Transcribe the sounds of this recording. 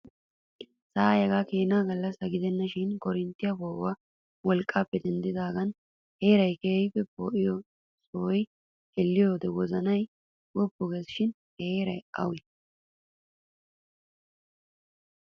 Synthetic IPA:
saːjɛɡakeːnaːɡɐlːɐshɐɡɪd̪ɛnːɐʃɪnkɔɾɪnt̪ːɪjɐboːwa | wɔlkʼːaːpːɛd̪ɛnd̪ɪd̪aːɡɐn | heːɾɐjkeːjpːɛpo̰ːʔɪjɔ | soːj | ɛlːɪjoːd̪ɛwɔzɐnɐj | wɔbːʊɡesɪʃɪn | heːɾɐjɐ̰wɪ

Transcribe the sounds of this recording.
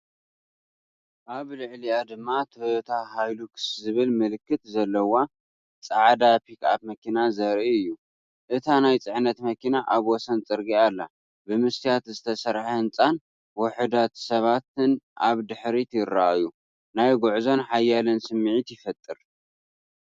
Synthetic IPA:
ʔaβlɨʕliad̪ɨmːat̪ʰot̪ʰahajlukʰszɨβɨlmɨlɨkːɨt̪zɐlːɐwa | t͡sʼaʕd̪apʰikap̚mɐkʰinazɐɾʔiɨjːu | ʔɨt̪ʰanajt͡sʼɨʕnɐt̪mɐkʰinaʔaβwɔsɐnt͡sʼɨɾɡialːa | bɨmɨst̪ʰijat̪zɨt̪ʰɐsɐɾħahɨnt͡sʼan | wɔħɨd̪at̪sɐβat̪ɨnʔaβd̪ɨħɾit̪ʰjɪɾːa̰ʔju | najɡoʕzo̞nħajalɐnsɨmːʕit̪jɪfɐt̪ʼːɨɾ

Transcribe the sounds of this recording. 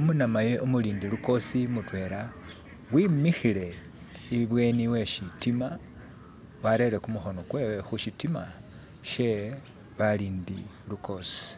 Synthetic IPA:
umunamaje̞ʔomuliːndiluko̞simutwe̞ːɾa | wimixile̞ | iβiβwe̞niwe̞ʃitima | waɾe̞ɾe̞kumuxo̞no̞kwewexuʃitima̰ | ʃe̞ | βaliːndi | luko̞si̥

